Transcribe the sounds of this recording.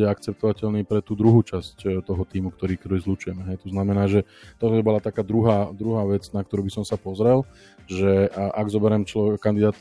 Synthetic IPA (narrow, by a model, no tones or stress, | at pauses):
ɛakt͡sɛp̚t̪ɔʋacɛlniːpɾɛt̪uːd̪ɾuɦuːt͡ʃasct̪ɔɦɔt̪iːmukt̪ɔɾiːkt̪ɔɾiːzlut͡ʃujɛmɛɦɛjt̪ɔznamɛnaːʒɛt̪ɔt̪ɔbibɔlat̪akaːd̪ɾuɦaːd̪ɾuɦaːʋɛt͡snak̚t̪ɔɾuːbisɔmsapɔzɾɛl | ʒɛʔaɡzɔbɛɾɛmt͡ʃlɔʋɛkkand̪id̪aːt̪